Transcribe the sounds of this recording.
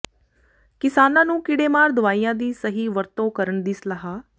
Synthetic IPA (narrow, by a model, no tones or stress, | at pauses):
kɪsaːnãːnũːkɪɽeːmaːɾd̪ʊʋaːiːãːd̪iːsəɦiːʋəɾt̪õːkəɾəɳd̪ɪsləɦaː